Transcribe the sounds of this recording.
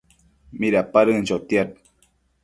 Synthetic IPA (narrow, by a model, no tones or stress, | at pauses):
miɾapaɾɨn̩t͡ʃot̪jat̪̚